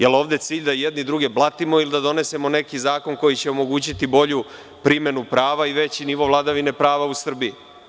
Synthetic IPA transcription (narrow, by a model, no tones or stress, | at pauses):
jelo̞ːʋd̪e̞t̪siːʎʲd̪ajed̪nid̪ɾuɡe̞blˠat̪imo̞ilid̪ad̪o̞ne̞se̞mo̞ne̞kizaːko̞nko̞jit͡ɕeomo̞ɡuːt͡ɕit̪ibo̞ʎu | pɾime̞nupɾaːʋaiʋe̞t͡ɕiniʋo̞vlˠad̪aʋine̞pɾaːʋausr̩bii